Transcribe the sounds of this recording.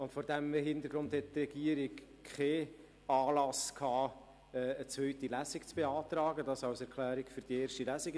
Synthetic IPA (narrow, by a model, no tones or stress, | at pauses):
ʊntfɔːɾd̥æməɦɪnt̪əɾɡɾʊnd̪hɛttrɛɡiəɾɪk | χɛː | ɑːlɑskhɑː | ɛːət͡svœɥtilæzɪkt͡sb̥eɑːt̪rɑːɡədɑsɑwsɛɾkʰlæːɾɪkføɾd̥ieːɾʃtilæsiɡ